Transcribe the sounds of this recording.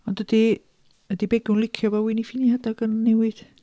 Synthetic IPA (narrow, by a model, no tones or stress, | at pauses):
ɔndədi | ədibɛɡʊnlˠɪkʰjɔvawiːnifɪnihadaɡənːɛwɪd̥